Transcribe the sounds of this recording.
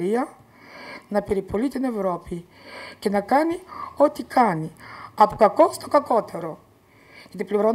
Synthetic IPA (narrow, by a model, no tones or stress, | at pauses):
ɾiɐ | nɐpeɾipolit̪ine̞vɾo̞pi | ce̞nɐkɐnio̞t̪ikʰɐniɐpokɐko̞st̪o̞kɐko̞t̪e̞ɾo̞ | ʝɐt̪ipliɾon